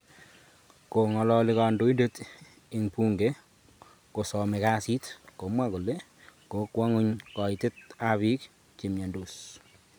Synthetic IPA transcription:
ko˨ŋɔ˨lɔ˦lɪ˦ka˨ndo˨˦i˦de˦t | i˨ŋpu˦ŋɡe˦ | ko˨sɔ˨me˨ka˦si˦tko˨mwa˦ko˨le˦ | ko˨˦kwa˦ŋʊ˦ɲkɔ˨i˨tɪ˦t̚a˦βi˦k̚ | t͡ʃi˨mja˨ndo˨s

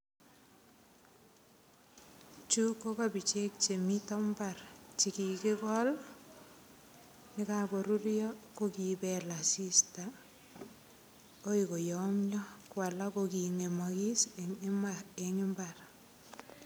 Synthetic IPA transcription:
t͡ʃu˦ko˦kabi˨t͡ʃe˦k̚t͡ʃe˨mi˦tɔ˦mbart͡ʃi˨ki˨ke˦kɔl | nɪ˦kabo˨ɾu˦ɾjɔkokibɛla˨si˦sta | o˦iko˨jɔ˨mɲɔ˦kwa˨la˦koki˨ŋe˨mɔ˨ki˦semae˨ɲu˦mbar

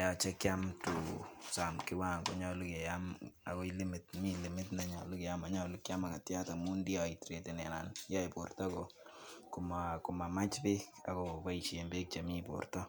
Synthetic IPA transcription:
a˨ja˨t͡ʃɛ˦kja˦mtu˨sa˨mkɪ˦wa˦˨ŋɡo˨ɲɔ˦lu˦kɛ˨ja˦ma̰˨kɔ˦i˦lɪ˦mɪ˨tmi˦lɪ˨mɪ˦tna˨ɲa˨lʊ˦ke˨ja˦ma˨ɲɔ˦lu˦kja˦ma˨ka˨tja˦ta˨mu˦ndi˦jɔ˨i˨tɾe˨te˨nɛ˨na˨nja˦i˨po̰˨rtɔ˦kɔkʊmaku˨ma˨ma˦t͡ʃpe˦ka̰˨kɔpa˦i˨ʃe˨mbe˦k̚t͡ʃa˨mi˦po̰˨rtɔ˦

